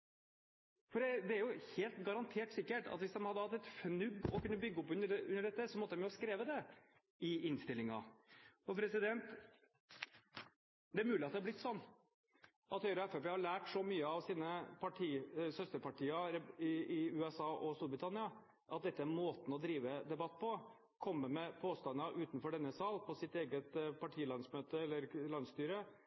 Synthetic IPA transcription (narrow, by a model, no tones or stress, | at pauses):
fɔɖɛd̪ɛæɾjʊheːlt̪ɡɑɾɑnt̪ʰeːʈsɪkːəʈɑ̰t̪ʋɪsd̪ɛnhɑd̪ːəhɑt̪ːɛt̪fnʉɡɔkʉnːəbʏɡːəɔpʉnːəʉnːəɖɛt̪ːəsɔmɔt̪ːəd̪ɛmjʊskɾeːʋəd̪ɛ | ɪɪnst̪ɪlːɪŋɑ̰ɔpʰɾɛsɪd̪ɛnt̪ | d̪ɛæɾmʉːlɪɑt̪̚d̪ɛhɑb̪ɪt̪ːsɔnː | ʔɑt̪hœʏɾɑɛfɛpeːhɑɭæːʈʂɔmyːəɑʋsiːnəpʰɑʈʰiːsœst̪əɾpɑʈiːɑɾɛɪɪʉːɛsɑːʔɔst̪uːɾbɾɪt̪ʰɑnɪɑ | ʔɑt̪̚d̪ɛt̪ːəæɾmoːt̪n̩ɔd̪ɾiːʋəd̪ɛbɑt̪ːpʰɔ | kʰɔmːəmɛpʰoːst̪ɑnɑʔʉːt̪nfɔɖɛnːəsɑːlpʰɔsɪt̪eːɡət̪pʰɑʈʰiːlɑnsmøːt̪əɛlːəɾlɑnst̪yːɾə